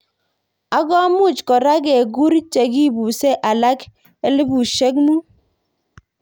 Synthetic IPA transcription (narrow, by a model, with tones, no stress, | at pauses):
a˨˦ɡɔ˦mʊ˦˨t͡ʃkɔ˨ɾa˦ɡɛ˨ɡu˦ɾt͡ʃe˨ɡi˦˨bu˨sɛ˦ʔa˨la˦k | e˦lɪ˦bu˨ʃe˦kmu˦